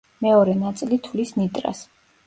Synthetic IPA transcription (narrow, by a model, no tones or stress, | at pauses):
mɛɔɾɛnat̪sʼilit̪ʰulisnit̪ʼɾa̰s